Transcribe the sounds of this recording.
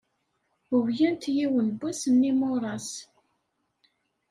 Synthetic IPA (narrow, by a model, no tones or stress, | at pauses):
əwjænt̪jiwənbːæsənːimoɾˤɑs